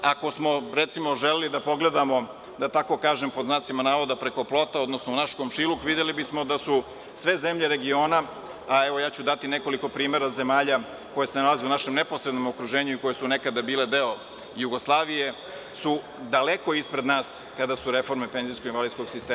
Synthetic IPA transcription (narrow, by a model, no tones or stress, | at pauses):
ako̞smo̞ɾet̪simo̞ʒelelid̪apo̞ɡle̞d̪amo̞ | d̪at̪ako̞kaːʒempoznaːt̪simanaːʋod̪apɾe̞ko̞plo̞t̪aod̪nosnounaʃkomʃilukʋid̪jelibismo̞d̪asu | sʋe̞ze̞mʎeɾe̞ɡio̞ːna | aeʋo̞jaːt͡ɕud̪at̪ine̞ko̞liko̞pɾiːmeɾaze̞maːʎa | ko̞jesenalazieunaʃemne̞po̞sɾed̪no̞mokɾuʒeːɲuiko̞jesune̞kad̪abiːle̞d̪eo | juɡo̞slˠaːʋije̞ | su | d̪aleko̞ispɾe̞d̪naːskad̪asuɾe̞fo̞ɾmepe̞nziskoɡinʋalid̪sko̞ɡsist̪eː